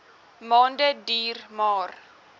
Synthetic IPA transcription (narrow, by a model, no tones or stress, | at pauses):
mɔndɛdirmɔːr